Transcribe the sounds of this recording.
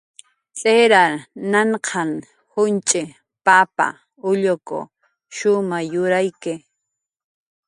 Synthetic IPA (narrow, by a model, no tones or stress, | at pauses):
t͡sʼeɾaɾnaɴqʰɑŋ | hʊnt͡ʃʼɪ | papa̰ | ʊʎokʊ̰ | ʃʊmajʊɾajkɪ